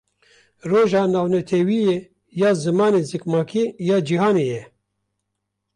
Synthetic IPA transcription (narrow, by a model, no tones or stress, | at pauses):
roːʒɑːnaːwnɛt̪ʰɛwijeː | jɑːzɨmɑːneːzɨkmɑːkʰijɑːd͡ʒiɦaːneːjɛ